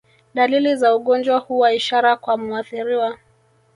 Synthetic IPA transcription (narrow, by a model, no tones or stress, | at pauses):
ɗalilizauɠɔnd͡ʒwahuwaiʃaɾakwamuaθiɾiwa